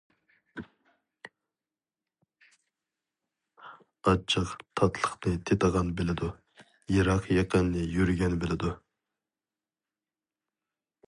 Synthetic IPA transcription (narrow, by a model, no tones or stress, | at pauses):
ɑt͡ʃʰːəqt̪ʰɑt̪ʰlˠəχnɨt̪ʰet̪əʁɑnbɪlɪd̪u | jiɾɑqjɑqʰənːɪjyɾɡʲɛnbelɪd̪u